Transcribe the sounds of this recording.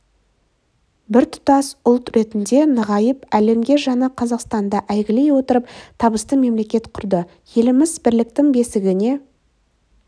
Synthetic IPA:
bɪɾt̪ʰʊ̥t̪ɑsʊlˠt̪ɾe̞t̪ɪnd̪e̞nəʁɑjəpæle̞mɡʲe̞ʒɑnɑqʰɑzɑqst̪ɑnd̪ɑʔæjɡʲɪle̞jwo̞t̪əɾəpt̪ʰɑbəst̪əme̞mle̞kʲe̞t̪qʰʊɾd̪ə | je̞lɪmɪzbɪɾlɪk̚t̪ɪŋbe̞sɪɡʲɪne̞

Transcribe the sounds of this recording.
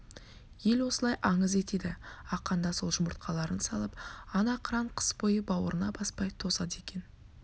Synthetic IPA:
je̞lwo̞səlˠɑjʔɑɴəze̞t̪e̞d̪ɪɑqːɑnd̪ɑso̞lˠʒʊməɾt̪̚qʰɑlˠɑɾənsɑlˠəpɑnɑqʰəɾɑɴqʰə̥spo̞jəbɑwəɾənɑbɑspɑjt̪ʰo̞sɑd̪əe̞kʲe̞n

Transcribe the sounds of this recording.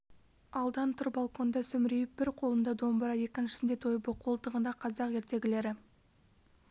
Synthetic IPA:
ɑlˠd̪ɑnt̪ʰʊɾbɑlˠko̞nd̪ɑsɵmɾejɪp̚b̥ɪɾqʰo̞lˠənd̪ɑd̪o̞mbəɾɑje̞kʲɪnʃɪ̥sɪnd̪e̞t̪ʰo̞jbəqʰo̞lˠt̪əʁənd̪ɑqʰɑzɑqe̞ɾt̪e̞ɡʲɪle̞ɾɪ

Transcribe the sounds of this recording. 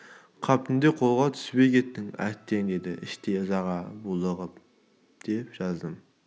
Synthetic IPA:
qʰɑp̚t̪ʰɨnd̪eqʰolˠʁɑt̪ʰy̥sbejkʲet̪ʰːɪŋæ̰t̪ʰːeŋd̪ed̪ɪɪʃt̪ʰeɨzɑʁɑbulˠəʁəp̚ | d̪̥epʒɑzd̪ɨm

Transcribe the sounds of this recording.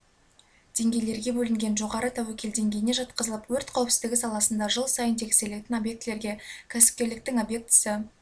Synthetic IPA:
d̪̥e̞ŋɡʲe̞jle̞ɾɡʲe̞bɵlɪŋɡʲe̞nʒo̞ʁɑɾət̪ʰæwekʲʰe̞ld̪e̞ŋɡʲe̞jɪne̞ʒɑt̪̚qəzəlˠəpwɵɾt̪qʰɑwɪpsɪzd̪ɪɡʲɪsɑlˠɑsənd̪ɑʒəlˠsɑjənt̪ʰe̞kʲse̞le̞t̪ɪnobje̞k̚t̪ɪle̞ɾɡʲe̞kʲʰæsɪ̥p̚kʲe̞ɾlɪk̚t̪ɪŋobje̞k̚t̪ʰːɪ̥sɪ

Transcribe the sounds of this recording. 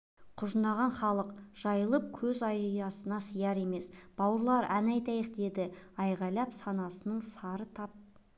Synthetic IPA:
qʰʊʒənɑʁɑnχɑlˠəqʒ̥ɑjəlˠəp̚kʲʰɵzɑjjɑsənɑsəjɑɾe̞me̞sb̥ɑwəɾlˠɑɾænɑjt̪ɑjəqd̪e̞d̪ɪɑjʁɑjlˠɑpsɑnɑsənəɴsɑɾət̪ʰɑp̚

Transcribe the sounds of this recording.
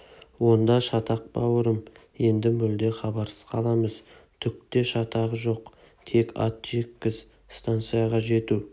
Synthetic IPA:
wo̞nd̪ɑʃɑt̪ɑq̚bɑwəɾəm | je̞nd̪ɪmʏld̪e̞χɑbɑɾsə̥z̥qʰɑlˠɑməz | t̪ʰʏk̚t̪e̞ʃɑt̪ɑʁəʒo̞q | t̪ʰe̞kɑ̰t̪ʒe̞kʲːɪz | st̪ant̪sɨjɑʁɑʒe̞t̪u

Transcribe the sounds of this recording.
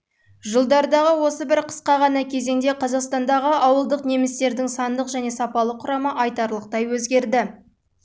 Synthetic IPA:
ʒəlˠd̪ɑɾd̪ɑʁəwo̞səbɪɾqʰə̥sqɑʁɑnɑkʲʰe̞ze̞ŋd̪e̞qʰɑzɑqst̪ɑnd̪ɑʁəʔɑwəlˠd̪əqne̞mɪst̪e̞ɾd̪ɪŋsɑnd̪əqʒæne̞sɑpɑlˠəqʰːʊɾɑməʔɑjt̪ɑɾlˠəq̚t̪ɑjwɵzɡʲe̞ɾd̪ɪ

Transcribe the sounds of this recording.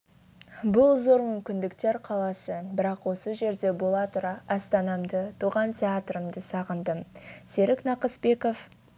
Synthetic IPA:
bʊlˠzo̞ɾmʏmkʲɪnd̪ɪkt̪e̞ɾqʰɑlˠɑsəbɪɾɑqwo̞səʒe̞ɾd̪e̞bo̞lˠɑt̪ʊɾɑʔɑst̪ɑnɑmd̪ət̪ʰuʁɑnt̪ʲʰe̞at̪rəmd̪əsɑʁənd̪əse̞ɾɪknɑqəsbe̞ko̞f

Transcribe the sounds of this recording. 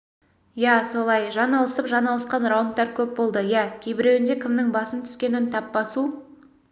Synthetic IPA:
jæso̞lˠɑjʒɑnɑlˠəsəpʒɑnɑlˠəsqɑnrawnt̪̚t̪ːɑɾkʲʰɵp̚bo̞lˠd̪əjækʲʰejbɪɾewɪnd̪e̞kʲʰɪmnɪŋbɑsəmt̪ʰʏ̥skʲe̞nɪnt̪ʰɑpbɑsu

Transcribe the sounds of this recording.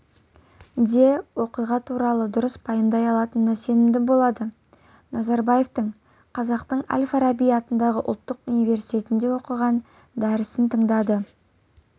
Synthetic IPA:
d̪ewo̞qijʁɑt̪ʰuɾɑlˠəd̪ʊɾəspʰɑjəmd̪ɑjɑlˠɑt̪ənmæse̞nɪmd̪ɪbolˠɑd̪ə | nɑzɑɾbɑje̞ft̪əɴ | qʰɑzɑqt̪əɴa̰lʲfaɾabijɑt̪ənd̪ɑʁəʔʊ̰lˠt̪ːəqunijve̞ɾsijt̪ʲe̞t̪ɪnd̪e̞wo̞qəʁɑn | d̪æɾɪsɪnt̪ʰəɴd̪ɑd̪ə

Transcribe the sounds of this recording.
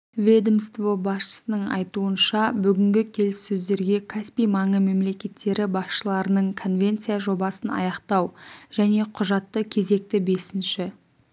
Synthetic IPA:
vʲed̪mst̪vobɑsʃə̥sənəɴɑ̰jt̪uənʃɑbʏɡʲɪŋɡʲɪkʲʰe̞lɪsːɵzd̪e̞ɾɡʲe̞kʰaspijmɑɴəme̞mle̞kʲe̞t̪ːe̞ɾɪbɑsʃəlˠɑɾənəɴkʰo̞nvʲe̞nt̪sɨjaʒo̞bɑsənɑ̰jɑqt̪ɑwʒ̥æne̞qʰʊʒɑt̪ːəkʲʰe̞ze̞k̚t̪ɪbe̞sɪnʃɪ

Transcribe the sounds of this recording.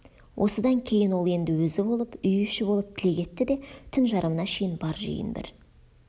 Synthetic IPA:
wʔo̞̰səd̪ɑŋkʲʰe̞jɪnwo̞lˠe̞nd̪ɪwɵzɪbo̞lˠəpʏjʏʃɪbo̞lˠəp̚t̪ʰɪle̞kʲʰe̞t̪ːɪd̪e̞t̪ʰʏnʒɑɾʔəmənɑʃe̞jɪnbɑɾʒḛjɪ̰nbɪ̰ɾ

